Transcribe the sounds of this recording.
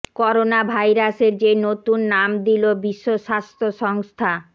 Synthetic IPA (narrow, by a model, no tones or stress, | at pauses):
kɔɾonabʱajɾaseɾd͡ʑenot̪unːamd̪ilobiʃːoʃast̪ʰoʃɔŋst̪ʰa